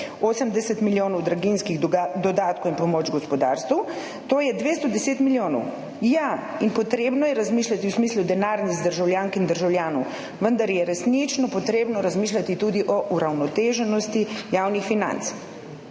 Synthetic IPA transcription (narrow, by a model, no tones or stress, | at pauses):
oːsəmd̪ɛsɛt̪miljoːnɔwd̪ɾaɡinskiɣd̪ɔd̪aːt̪kowinpɔmoːt͡ʃɡɔspɔd̪a̰ːɾst̪uw | t̪oːjɛd̪ʋeːst̪ɔd̪ɛseːt̪miljoːnɔ̰w | ja | inpɔt̪ɾeːbnɔjɛɾazmiʃlʲat̪iwsmiːslud̪ɛnaːɾnizd̪əɾʒawljaːŋkind̪əɾʒawljaːnɔw | ʋənd̪aɾjɛɾɛsnit͡ʃnɔpɔt̪ɾeːbnɔɾazmiːʃ̬lʲat̪it̪uːd̪iʔɔʔuɾawnɔt̪eːʒɛnɔst̪ijaːwnixfina̰nt̪s